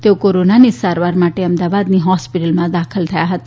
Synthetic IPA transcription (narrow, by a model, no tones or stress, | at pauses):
t̪eokoɾonanisaɾʋaɾmaʈeəmd̪aʋad̪niɦɔspiʈəlmãd̪akʰəlt̪ʰəjaɦət̪a